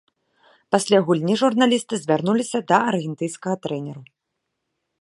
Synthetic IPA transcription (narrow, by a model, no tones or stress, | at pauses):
pasʲlʲaɣulʲnʲiʐurnalʲist̪ɨzʲvʲarnulʲisʲɐd̪ɐɐrɣʲɛnt̪ɨjnskɐɣɐt̪ɾɛnʲɛɾu